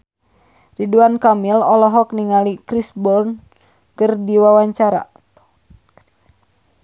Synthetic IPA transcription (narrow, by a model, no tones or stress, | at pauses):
riduankamilɔlɔɦɔk̚niŋalikɾisbɔln | kərdiwawaɲt͡ʃaɾa̰